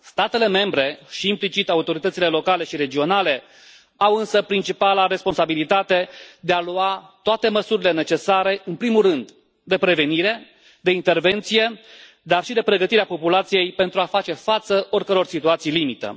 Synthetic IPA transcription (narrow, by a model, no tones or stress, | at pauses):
st̪at̪e̞le̞me̞mbɾe̞ʃiːmplit͡ʃit̪aut̪o̞ɾit̪ət̪sile̞lo̞kale̞ʃiɾe̞d͡ʒio̞nale̞ | awɨnsəpɾint͡ʃipalaɾe̞sponsabilit̪at̪e̞d̪e̞aluat̪oat̪e̞məsuɾile̞ne̞t͡ʃe̞saɾe̞ʔɨnpɾimulrɨnd̪ | d̪e̞pɾe̞ve̞niɾe̞ | d̪e̞int̪e̞rve̞nt̪sije̞ | d̪arʃid̪e̞pɾe̞ɡət̪iɾeapo̞pulat̪sije̞jpe̞nt̪ɾuafat͡ʃe̞fat̪səʔo̞rʲkəɾo̞rsit̪uat̪sijlimit̪ə̰